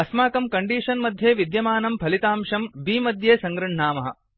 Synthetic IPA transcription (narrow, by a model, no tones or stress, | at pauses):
ɐsmaːkɐmkɐɳɖiːʂɐnmɐd̪ʱjeːʋid̪jɐmaːnɐmpɐlit̪aːmʂɐmbiːmɐd̪ʱjeːsɐŋɡɾɐɳ̤ɳaːmɐɦɐ̰